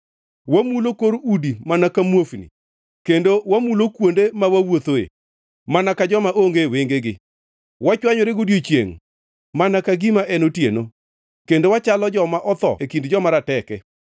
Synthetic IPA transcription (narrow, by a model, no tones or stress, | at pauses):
wamulokoɾudimanakamwofnḭ | kendowamulokwondemawawot̪oḛ | manakad͡ʒɔmaʔoŋɡeweŋɡeɡɪ | wat͡ʃwaɲoɾeɡodjot͡ʃjḛŋ | manakaɡimaʔɛnotjeno | kendowat͡ʃalɔd͡ʒɔmaʔɔt̪ɔ̰ekindd͡ʒɔmaɾatɛkɛ